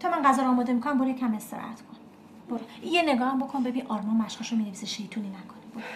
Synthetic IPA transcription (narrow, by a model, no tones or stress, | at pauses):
t̪ʰɒːmænɢæzɒːɾːmɒːd̪emikʰonæmboɾeecʰæmest̪eɾɒ̰æ̰t̪kʰon | b̥oɾoijene̞ɡɒːhæmbokʰonbe̞biʔɒːɾmɒnmæʃhɒʃomineviseʃejit̪ʰulinækʰonib̥oɾ